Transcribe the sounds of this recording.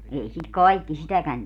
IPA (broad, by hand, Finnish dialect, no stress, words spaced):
ei sit kɑikːi sitækæn